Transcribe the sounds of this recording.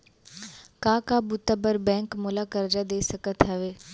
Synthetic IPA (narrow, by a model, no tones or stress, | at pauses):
kãːkabʊt̪əbəɾbɛ̃ːkmʊlakəɾd͡ʒad̪eːsɐkət̪ɦɐʋeː